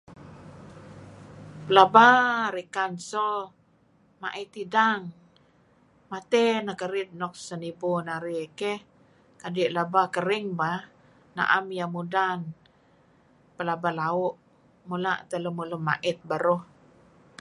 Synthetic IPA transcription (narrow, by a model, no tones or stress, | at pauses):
pəlabaɾikansɔ | ma̰ʔit̪idaŋ | mat̪ɛnakəɾɪt̪̚nɔk̚sənibunaɾikeh | kadiʔlabakəɾiŋba | na̰ʔamjamudan | pəlabalaʊʔ | mula̰ʔt̪ələmuləmːa̰ʔɪt̪̚baɾɔh